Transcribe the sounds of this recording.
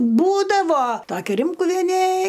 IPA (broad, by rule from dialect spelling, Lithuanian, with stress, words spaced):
ˈbuːdɐʋoː ˈtoːkʲɛ ˈrʲɪmkʊʋʲiɛnʲeː